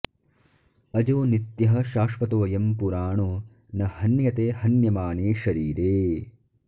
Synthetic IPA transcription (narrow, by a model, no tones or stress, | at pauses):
ɐd͡ʒoːnit̪jɐɦɐ̆ʃaːʂʋɐt̪oːɐjɐmpuɾaːɳu | nɐhɐnjɐt̪eːhɐnjɐmaːneːʃɐɾiːɾeː